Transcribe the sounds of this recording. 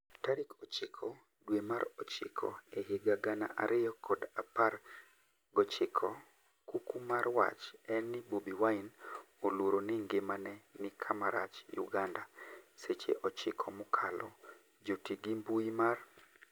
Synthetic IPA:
taɾikɔt͡ʃɪkʰɔ | dwemaɾɔt͡ʃɪ̰kʰɔ̰eɦeɡaɡana̰ʔaɾʔɪjɔkʰɔdapar | ɡɔt͡ʃɪkʰɔ | kukumarwa̰t͡ʃɛnːɪbobiwaɪn | oloɾonɪŋɡemanɛnɪkʰamaɾa̰t͡ʃjṵɡandaset͡ʃḛʔɔt͡ʃɪkʰɔmʊkʰalɔ | d͡ʒotiɡimbuimar

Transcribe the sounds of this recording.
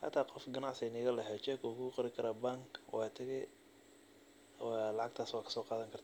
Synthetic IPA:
hɐ̰t̪ʰaːqɔfɡɐnaʕsɛnɪːɣɐlɐɦɛːt͡ʃɛːkʰɐʊkʰʊʊqɑɾɪkʰɐɾaːbaŋkwʔɑːt̪ʰɐɣɛ | wɑlɑʕɑɡ̚t̪ʰaːswaːkʰɐ̥sɔːqɑːðɐŋkʰɐrt̪ʰː

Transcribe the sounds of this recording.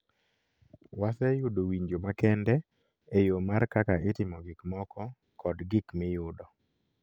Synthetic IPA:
wasɛjʊdowiɲd͡ʒomakɛndɛ | ejomaɾkakaɪtɪmɔɡɪkmɔkɔ | kɔdɡɪkmɪjʊdɔ

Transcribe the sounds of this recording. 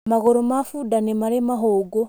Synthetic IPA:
maɣoɾomafudanemaɾemaɦoːɡo

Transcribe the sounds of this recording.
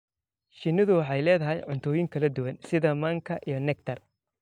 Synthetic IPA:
ʃɪnːɪðʊwɑħɑjlɛːðɐɦɛjʕʊnt̪ʰɔːjɪŋkʰɐlɐd̪ʊwɐnsɪðɐmɐːŋkʰɐʔijɞnɛk̚t̪ʰɐr

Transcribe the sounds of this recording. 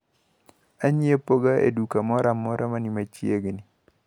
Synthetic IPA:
aɲiepoɡaḛdukamɔɾamɔɾʔamanimat͡ʃjeɡni

